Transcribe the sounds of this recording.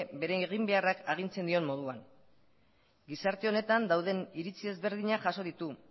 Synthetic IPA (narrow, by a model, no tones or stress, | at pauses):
be̞ɾe̞ɣ̞imbe̞arakaɣ̞int͡se̞nd̪io̞mmo̞ð̞uan | ɡisaɾt̪e̞o̞ne̞t̪and̪awðe̞niɾit͡sie̞zβe̞ɾð̞iɲaʝaso̞ðit̪u